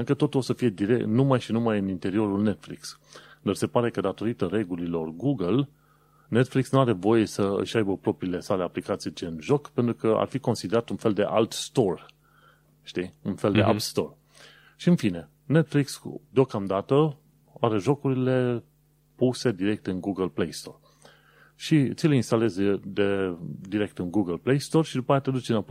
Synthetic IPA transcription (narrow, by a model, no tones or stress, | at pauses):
ɨŋkət̪o̞t̪ulosəfije̞d̪iɾenumajʃinumajɨnint̪e̞ɾio̞ɾulne̞t̪flḭksd̪arse̞paɾe̞kəd̪at̪o̞ɾit̪əɾe̞ɡulilo̞rɡuɡəl | ne̞t̪fliksnuaɾe̞vo̞je̞səɨ̰ʃʲajbəpɾo̞pɾiːle̞sale̞aplikat̪sit͡ʃenʒo̞kpe̞nt̪ɾukəa̰rfiko̞nsid̪e̞ɾat̪unfe̞ld̪e̞̰ʔa̰lt̪st̪o̞r | ʃt̪iunfe̞ld̪e̞ʔa̰pst̪o̞r | ʃiɨnfine̞ | ne̞t̪fliksd̪eo̞kamd̪at̪ə | aɾe̞ʒo̞kuɾile̞ | puse̞d̪iɾe̞k̚t̪ɨnɡuɡəlplejst̪o̞̰r | ʃit̪sileinst̪ale̞zd̪ed̪iɾe̞k̚t̪ɨnɡuɡəlplejst̪o̞rʃid̪upajat̪ɾed̪ut͡ʃina